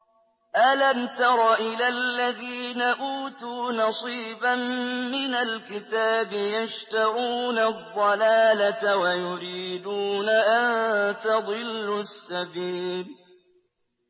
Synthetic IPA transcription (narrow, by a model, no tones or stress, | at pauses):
ʔalamt̪ɑɾˤɑʔɪlalːaðiːnaʔuːt̪uːnɑsˤiːbamːɪnalkɪt̪aːbɪjaʃt̪ɑɾuːnad̪ˤːɑlaːlaawajʊɾiːd̪uːnaʔant̪ɑd̪ˤɨlːʊsːabiːl